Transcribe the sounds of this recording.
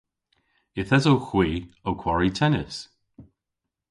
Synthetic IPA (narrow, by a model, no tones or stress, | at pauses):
ɪθɛzowxwiːowkʰw̥aɹitʰɛnɪs